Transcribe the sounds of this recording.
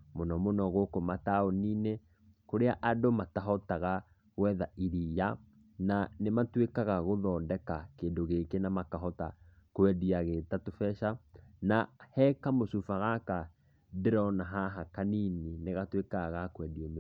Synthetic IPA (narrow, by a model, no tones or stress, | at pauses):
monɔmonɔɣokomataoniːne | koɾeaʔadomataɦɔtaɣa | ɣwɛðaiɾija | nanematwekaɣaɣoðɔːndɛkakeːndoɣekenamakaɦɔta | kwɛdiaɣetatofɛʃanahɛkamosufaɣaka | deɾɔnaɦaɦakaninineɣatwekaɣakwɛdiɔm